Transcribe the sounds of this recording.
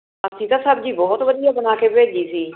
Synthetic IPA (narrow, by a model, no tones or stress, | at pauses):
əsĩːt̪asəb̚d͡ʒiːbɔɦʊt̪ʋədiːapnaːkebeːd͡ʒiːsiː